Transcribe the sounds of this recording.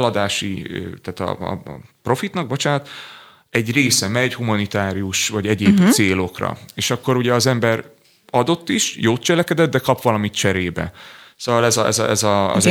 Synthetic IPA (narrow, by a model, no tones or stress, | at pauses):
lɒd̪aːʃḭt̪aːt̪ɒ̰pro̞fit̪nɒɡ̚bo̞t͡ʃaːt̪ | ɛɟreːsɛmɛɟhumɒnit̪aːɾiuʃvɒɟɛɟeːbseːlo̞krɒ̰eːʃɒkːo̞ɾuɟɛɒzɛmbɛr | ɒd̪o̞t̪ːiʃjoːt̪̚t͡ʃɛlɛkɛd̪ɛd̪̚ːɛkɒpʋɒlɒmit̪t͡ʃɛɾeːbɛ̰soːvɒlɛzɒɛ̰zɛzɒ̰